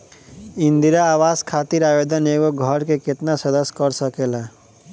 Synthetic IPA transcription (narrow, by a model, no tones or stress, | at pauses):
ɪ̃nd̪iɾaaːʋaːskʰaːt̪iɾaːjeːd̪əneːɡoɡʱəɾkekɪt̪nasɐd̪əskəɾsəkeːlaː